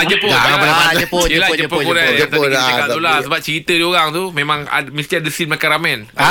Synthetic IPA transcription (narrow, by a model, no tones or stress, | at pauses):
d͡ʒəpʊaaəiəlad͡ʒəpokuɾaŋt̪aiakat̪̚ulasəbap̚t͡ʃəɾit̪ədioɣaŋt̪umẽmãŋa̰mĩst̪iadəsinmakaɾamɛ̃n